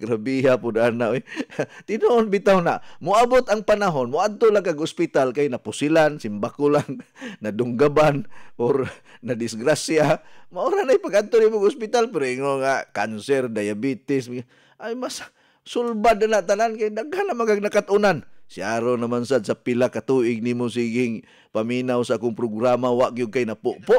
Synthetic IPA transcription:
ɡɾabiɦapʊdanaʔojt̪ɪnoʔːnbɪt̪awnaʔmʊabʊt̪aŋpanaɦonmʊad̪̚t̪olaŋkaɡʊspɪt̪alkajnapʊsɪlansɪmbakʊlaŋnadʊŋɡabanʔoɾ | nadɪsɡɾasiamaoɾanajpaɡad̪̚t̪onimoɡʊspɪt̪alpɪɾoɪŋoŋakansɛɾdajabit̪ɪs | ʔajmas | sʊlbadanaʔt̪anankajdaɡhanamaŋanakat̪ʔʊnansiaɾonamansad̪̚sapɪlakat̪uʔɪɡ̚nimʊsiɡɪŋ | paminawsaʔakʊŋpɾʊɡɾamawaʔɡiʊd̚kajnapʊʔpʊʔ

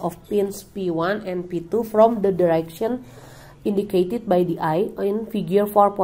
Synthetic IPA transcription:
ɔfpinspiwanɛ̃npit̪ufɾɔmd̪ədiɾɛkʃɔ̃n | ĩndiket̪id̪̚bajdiʔajinfiɡjurfɔrpɔ

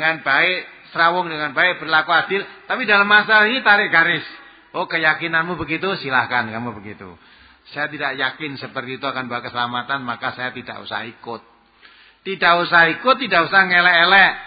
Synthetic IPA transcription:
dŋanb̥aɪʔ | səɾawɔŋdəŋanbaɪʔb̥ərlakoad̥ɪlt̪apidalamːasalaɦinit̪aɾɪʔɡaɾɪs | okəjakinanmubəɡit̪usilahkankamubəɡit̪ṵ | sajat̪idaʔjakɪnsəpərt̪iːt̪uakanbawakəsəlamat̪anmakasajat̪ida̰ʔṵsa̰hikʊt̪̚ː | idaʔusahikʊt̪ːidaʔusahŋelɛʔːlɛʔ

